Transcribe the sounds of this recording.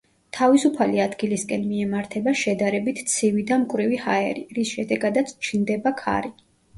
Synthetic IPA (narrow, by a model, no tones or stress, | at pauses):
t̪ʰavisupʰaliad̪ɡiliskʼɛnmiɛmaɾt̪ʰɛbaʃɛd̪aɾɛbit̪ʰt̪sʰivid̪amkʼwɾivihaɛ̰ɾiɾisʃɛd̪ɛɡad̪at̪sʰt͡ʃʰnd̪ɛbakʰa̰ɾi